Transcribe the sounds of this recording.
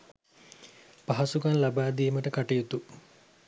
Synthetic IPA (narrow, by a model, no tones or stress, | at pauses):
paɦasuɡanlabaːd̪iːməʈəkaʈijut̪u